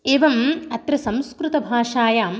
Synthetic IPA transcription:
eːʋɐmɐt̪ɾɐsɐmskɾut̪ɐbʱaːʂaːjaːm

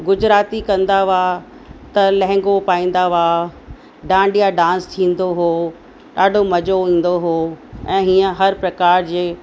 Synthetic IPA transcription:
ɡʊd͡ʑɾaːt̪ikɐ̃nd̪aʋa | t̪ɐlɐ̃ɦɪ̃ŋɡopaːĩːnd̪aʋaː | ɖãːɳɖijaɖãːnst̪ʰĩːnd̪oɦoː | ɗaːɖʱomɐd͡ʑoĩːn̆d̪oɦoːɛ̃ːɦiːə̃ɦɐɾpɾɐkaːɾd͡ʑeː

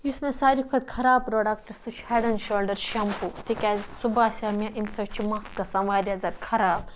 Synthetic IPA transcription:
jismẽsaːɾikʰɐd̪̚kʰɐɾaːpɾoːɖakʈɐɾsut͡ʃʰheɖɐnʃoːlɖɐɾʃɐmput̪ikʲazsubaːsʲaːmʲãʔimsɐt͡ʃʰimɐsɡɐsɐnʋaːd̪ʲazɐd̪kʰɐɾaːb̚

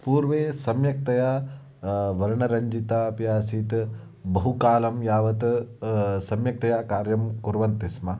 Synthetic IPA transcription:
puːɾʋeːsɐmjɐk̚t̪ɐja | ʋɐɾɐɳɐɾɐɲd͡ʒit̪apjaːsiːt̪ | bɐɦukaːlɐmjaːʋɐt̪ | sɐmjɐk̚t̪ɐjakaːɾjɐmkuɾʋɐnt̪ismɐ

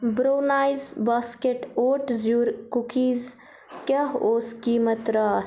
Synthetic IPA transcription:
bɾoːnaːjzbaːskeʈoːʈzjuːɾkukiːz | kɐɦoːskiːmɐt̪ɾaː

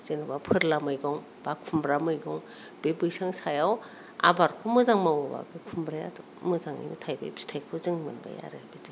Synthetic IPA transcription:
z̥enɯbapʰɯɾlamɯjɡɔŋ | b̥akʰumbɾamɯjɡɔŋ | b̥ebɯjsaŋsajaw | a̰baɾkʰomɯzaŋmawɔba̰bikʰumbɾaja̰tʰo̥ | mɯzaŋa̰jnitʰajbḛbʰi̥stʰajkʰuzɯŋmɯ̰nba̰ja̰ɾɯbidi

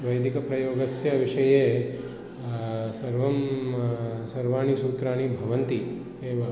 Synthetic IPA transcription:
ʋɐjd̪ikɐpɾɐjoːɡɐsjɐʋɪʃɐje | sɐɾʋɐm | sɐɾʋaːɳ̃isuːt̪ɾaːñibʱɐʋənt̪i | eʋɐ

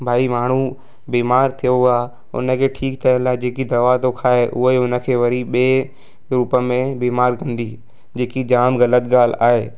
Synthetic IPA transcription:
bʱaːimaːɳ̤u | biːmaːɾt̪ʰijoaː | ʊ̰nə̆kʰeːʈʰiːkt̪ʰɐə̃nlaːɪd͡ʑeːkid̪ɐʋat̪okʰaːeʔʊɦʊnə̆kʰeːʋɐɾiɓeː | ɾuːpəmẽbiːmaːɾkʰɐ̃nd̪i | d͡ʑeːkid͡ʑaːmɣɐlət̪̚ɡaːl̤a̰ːɦeː

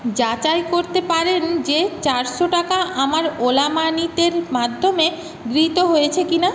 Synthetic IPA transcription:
d͡ʑat͡ɕajkoɾt̪epaɾend͡ʑet͡ɕaɾʃoʈakaʔamaɾolamanit̪eɾmad̪ʱːome | ɡɾit̪oɦojet͡ɕʰekina

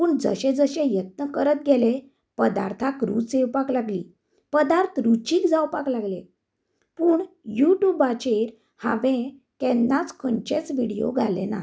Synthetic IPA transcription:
puːɳd͡zə̰ɕẽd͡zəɕẽjət̪̚nəkəɾət̪̚ɡʱele | pəd̪a̰ɾt̪ʰakɾṵt͡sewpaklaɡlḭː | pəd̪aɾt̪ʰɾut͡ɕiːkd͡zawpaklaɡlẽ | puːɳ | juʈjubat͡ɕeɾ | ha̰ʋẽ | kɛnːat͡skʰəɳt͡ɕẽt͡sʋiɽijo̰ɡʱalḛna̰

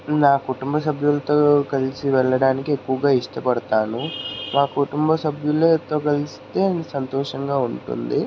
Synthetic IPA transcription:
naːkuʈumbɐs̬ɐbʱjulɐt̪o̞ːkɐlisiʋɛɭːɐɽaːnikiekːuʋɐɡaːiʂʈɐpɐɽɐt̪aːnumaːkuʈumbɐsɐbʱjulet̪o̞ːkɐlist̪e̞ːnsɐnt̪ɔːʂɐŋɡaːuɳʈṵnd̪i

